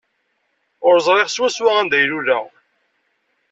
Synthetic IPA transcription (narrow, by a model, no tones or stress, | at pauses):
ʊɾzˤɾˤeʁswæswaʁænd̪æjlulæ